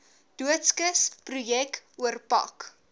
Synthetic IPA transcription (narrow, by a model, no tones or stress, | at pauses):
d̥uətskəsprujɛkuərpɐ̰k